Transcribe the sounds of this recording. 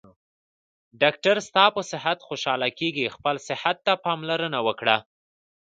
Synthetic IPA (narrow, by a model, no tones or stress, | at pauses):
ɖɑk̚ʈaɾst̪ɑpəsɪɦat̪xoʃɑlakeɡixpəlsɪhat̪ːapɑmlaɾənawəkɽa